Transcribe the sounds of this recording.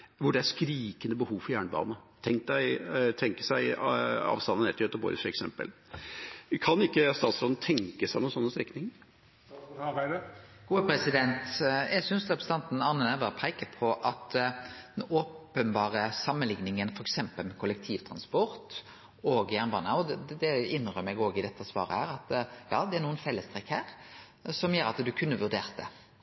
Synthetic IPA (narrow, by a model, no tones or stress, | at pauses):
ʋʊɖɛæɾʂkɾiːkənəbəhuːʋfɔɾjæːɳəbɑ̰ːnət̪ʰɛŋk̚d̪æɪt̪ʰɛŋkə̥sæɪɑ̰ːʋst̪ɑnənɛt̪əøt̪ːbo̰ːɾəfɛksɛmpə̰l | kʰɑnɪkːəst̪ɑːt̪sɾɔːd̪n̩t̪ʰɛŋkəsɪnuːnsɔnːəst̪ɾɛkːnɪŋ | ɡuːpɾɛsɪd̪ɛnt̪jɛɡsʏnsʁɛpʰɾəsəɑnt̪n̩ɑnənæʋəpʰeɪkəpʰɔʔɑt̪d̪ɛnoːpənbɑːɾəsɑmːənlɪŋnɪŋənfɔɾɛksɛmpəlmɛkʰʊlɛk̚t̪ʰiːʋt̪ʰɾɑnspɔɾt̪ | oːɡjæʁnbɑnɑd̪d̪ɛɪnːʁœmːɛɡoːɡɪd̪ɛt̪ːəsʋɑ̰ːɾəhæːɾɑt̪jɑːd̪ɛæʁnuːənfɛlːəst̪ɾɛkhæːɾ | sɔmjøːɾɑt̪d̪ʉkʰʉnːəʋʉʁd̪eːɾt̪̚d̪ɛ̰